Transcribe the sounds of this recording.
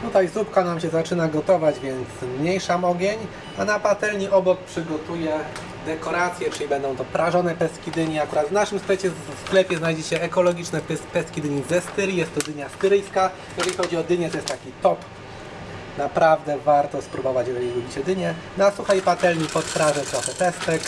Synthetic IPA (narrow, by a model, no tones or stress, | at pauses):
t̪ut̪ajzupkanamɕɛzat͡ʂɘnaɡɔt̪ɔvad͡ʑvʲjɛnt̪smɲejʂamɔɡʲeɲ | anapat̪ɛlɲiʔɔbɔk̚pʂɘɡɔt̪ujɛ | d̪ɛkɔɾat̪sʲjɛt͡ʂɘlibɛnd̪ɔ̃w̃t̪ɔpɾaʐɔnɛpɛst̪kʲid̪ɘɲiakuɾad̪vnaʂɘmsklɛt͡ɕɛfsklɛpʲjɛznajd͡ʑɛt͡ɕɛːkɔlɔɡʲit͡ʂnɛpɛspɛskʲid̪ɘɲizɛst̪ɘɾʲijɛst̪ːɔd̪ɘɲast̪ɘɾɘjska | jɛʐɛlʲixɔd͡ʑiɔd̪ɘɲɛt̪ɔjɛst̪t̪ːakʲit̪ɔp | napɾavd̪ɛvaɾt̪ɔspɾubɔvat͡ɕjɛʐɛlʲiɾubʲit͡ɕɛd̪ɘɲɛnasuxajpat̪ɛlɲipɔt̪fɾaʐɛt̪ɾɔxɛt̪ɛst̪ɛk